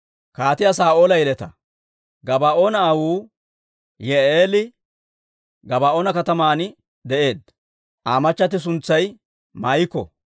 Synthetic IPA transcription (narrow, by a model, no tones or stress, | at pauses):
kaːt̪ɪjasaːʔo̞ːlɐjɛlɛt̪ɐ | ɡɐbaːʔoːnɐːwuː | jɛeːlɪ | ɡɐbaːʔoːnɐkɐt̪ɐmaːnɪ | d̪ɛʔe̞ːd̪ | ʔaːmɐt͡ʃːɐt̪ɪs̬ʊnt͡sːɐj | mɐjɪkːɔ̰